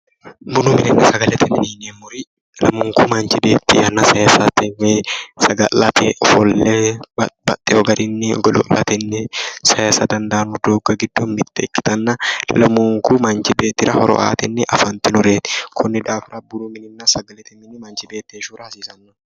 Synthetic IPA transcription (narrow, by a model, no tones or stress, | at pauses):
bʊnumɪnɪnːɐsɐɡɐlɛt̪ʰɛmɪninɛmːʊɾɪ | lɐmʊŋkʊmɐnt͡ʃɪbeːt̪ːḭːɐnːɐsɐjaːsɐt̪ɛweːsɐɡɐlɐt̪ḛʔɔfɔlːeːbɐt̪ʼːɛɔɡɐɾɪnːɪɔɡɐlɔlɐ̰t̪ɛnːɛsɐjaːsɐd̪ɐnd̪ɐːnʊd̪oːɡɐɡɪd̪ːomɪt̪ːɛːkːɪ̥t̪ɐnːɐlɐmʊŋkʊmɐnt͡ʃɪbeːt̪ːɪɾɐhɔɾɔ̰ʔa̰ːt̪ɛnːɛʔɐfɐnt̪ɪnʊɾeːt̪ɪ̥kʰʊnːɪd̪aːfɪɾɐbʊnumɪnɪnːɐsɐɡɐlɛt̪ɛmɪnɪmɐnt͡ʃɪbeːt̪ːeːɪʃuːɾɐɐsiːsɐnːʊ̥